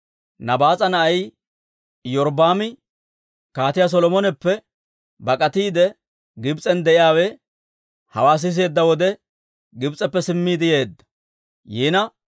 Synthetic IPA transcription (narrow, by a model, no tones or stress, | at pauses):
nɐbaːt͡sʼɐnɐʔɐj | jɔɾbaːmɪ | kaːt̪ɪjas̬ɔlɔmɔnɛpːɛ | bɐkʼɐt̪iːd̪ɛ | ɡɪbt͡sʼɛnd̪ɛʔɪjaːwɛ | hɐ̰waːs̬ɪs̬e̞ːd̪ːɐwɔd̪ɛ | ɡɪbt͡sʼɛpːɛsɪmːiːd̪ɪje̞ːd̪ːɐ̥ | jiːnɐ